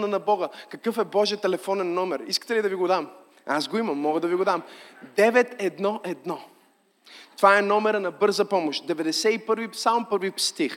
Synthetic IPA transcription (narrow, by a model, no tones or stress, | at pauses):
nənɐbɔɡəkɐkɤfɛbɔʒiət̪ɛlɛfɔnɛnːɔmɛɾiskə̥t̪ɛlid̪ɐviɡod̪am | asɡoimɐmːɔɡəd̪ɐviɡod̪amd̪ɛvɛt̪ɛd̪nɔʔɛd̪nɔ | t̪ovaɛnɔmɛɾənɐbɤɾzəpɔmoʃt̪d̪ɛvɛd̪ɛsɛipɤɾvipsalˠmpɤɾvipst̪ix